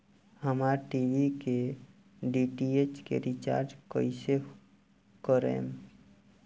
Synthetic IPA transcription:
həmaɾʈiʋike | ɖiʈiet͡ʃkḛɾit͡ʃa̰ːɾd͡ʒkəise | kəɾḛm

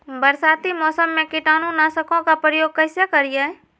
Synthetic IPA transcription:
bəɾsaːt̪imɔːsəmːẽkɪʈaːnõnaːsəkõkapɾəjoːɡ̚kəɪsjakəɾije

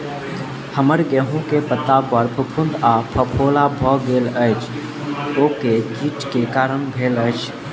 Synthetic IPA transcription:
həməɾɡɛɦuõkepət̪apəɾpʰəpʰʊ̃nd̪apʰɐpʰoːlabʱɔːɡeːlət͡ʃ | oːkekiːʈkekaːɾəɳbʱeːlət͡ʃʰ

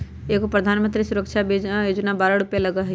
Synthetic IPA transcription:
eːkopɾɐd̪ʱaːnmənt̪ɾisʊɾəkʃʰabejoːd͡ʒnabaːɾaɽʊpjelɐɡaɦɛ

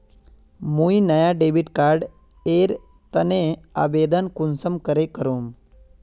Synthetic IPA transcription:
mujnəjaɖebiʈkaɾɖ | eɾ | t̪ənea̰bed̪ənkunsəmkəɾekəɾuːm

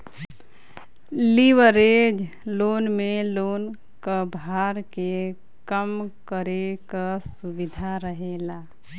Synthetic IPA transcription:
liʋəɾed͡ʒ | lonmelon | kəbʱaɾke | kəmkəɾekəsubid̪ʱaɾəɦela

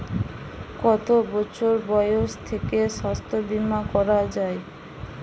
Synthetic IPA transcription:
kɔt̪obɔt͡ɕʰoɾbɔjoʃt̪ʰekeʃast̪ʰobimːakɔɾad͡ʑae

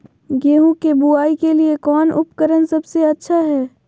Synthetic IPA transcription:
ɡeːɦũkebuaːikeliekɔːnʔʊ̰pkəɾənsɐbseɐtːʃʰaɦɛː

